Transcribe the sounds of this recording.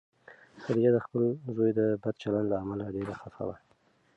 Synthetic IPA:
saɾijad̪əxpəlzojd̪əbad̪̚t͡ʃaland̪laːmalaɖeɾaxafa̰wa

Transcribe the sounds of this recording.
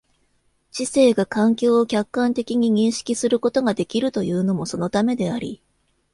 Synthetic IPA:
ɕise̞ːɡakãŋkʲo̞ːkʲakːãnt̪e̞kʲiɲ̟iɲ̟ĩɰ̃ɕi̥kʲisɨɾɯ̟ko̞t̪o̞ɡad̪e̞kʲiɾɯ̟t̪o̞jɯ̟ːno̞mo̞so̞no̞t̪ame̞d̪e̞aɾʲḭ

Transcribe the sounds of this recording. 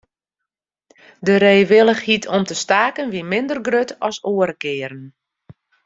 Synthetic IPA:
dəɾeːʋɪlˠəxhitʰɔmtəstaːkənʋimɪndərɡrøtʰɔsoəɾəkɪːəɾən

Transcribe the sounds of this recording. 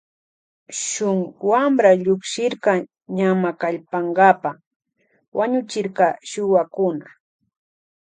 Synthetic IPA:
ʃʊŋwamɾaʎʊkʃɪɾkɑ | ɲamakaʎpaŋɡapa | waɲʊt͡ʃɪɾkɑʃʊwakʊna

